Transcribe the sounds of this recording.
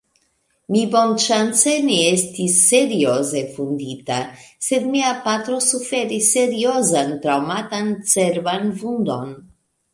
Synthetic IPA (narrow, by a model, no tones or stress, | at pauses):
mibo̞nt͡ʃant͡seneest̪isːe̞ɾioze̞fund̪it̪ase̞d̪miapat̪ɾo̞sufe̞ɾisːe̞ɾio̞zant̪ɾawmat̪ant͡seɾvanvund̪o̞̰n